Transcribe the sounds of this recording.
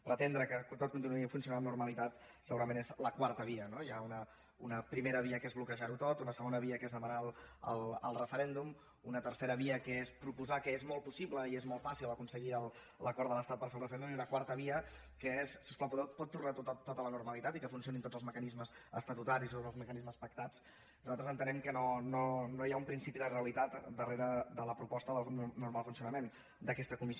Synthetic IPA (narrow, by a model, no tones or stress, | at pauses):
pɾət̪ɛnd̪ɾəkəkt̪ot̪̚kunt̪inuifunsiunanurməlit̪at̪ | səɣuɾəmenezləkwaɾt̪əβiənojaunə | unəpɾimeɾəβ̞iəkezβlukəʒaɾut̪ot̪unəsəɣonəβ̞iəkezðəmənalə̰lˠə̰lˠrəfəɾɛnd̪um | unət̪ərseɾəβiəkəespɾupuzakəezmɔlˠpusipləiezmɔlˠfasilˠəkunsəɣiəlˠ | ləkɔɾd̪ðələst̪at̪̚pəɾfelrəfəɛnd̪umiunəkwaɾt̪əβ̞iə | kəesːuspləpuðɛw̪̚pɔt̪ːurnat̪ot̪t̪ːot̪ələnurməlit̪at̪ikəfunsijonint̪odd͡zəlzməkənizməzə̰st̪ət̪ut̪aɾisit̪oəlˠzməkənizməspək̚t̪at͡s | nuzalt̪ɾəzənt̪ənɛmkənononojaumpɾinsipiðəreəlit̪at̪d̪əreɾəd̪ələpɾupɔst̪əðəlˠnuɾmalˠfunsiunəmen | d̪əkɛst̪əkumis